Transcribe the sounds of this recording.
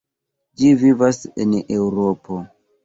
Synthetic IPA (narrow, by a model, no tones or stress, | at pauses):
d͡ʒivivasḛnewuɾopo